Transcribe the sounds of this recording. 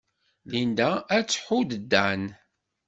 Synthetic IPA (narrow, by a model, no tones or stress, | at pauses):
lind̪ææt͡sːħud̪əd̪ːæn